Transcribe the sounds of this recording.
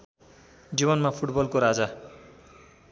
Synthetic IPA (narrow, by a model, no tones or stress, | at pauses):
d͡zibʌnmapʰuʈbʌlkoɾad͡za